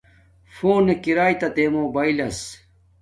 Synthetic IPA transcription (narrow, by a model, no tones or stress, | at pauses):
foːnekiɾaːjt̪ɐt̪emoːbailɐs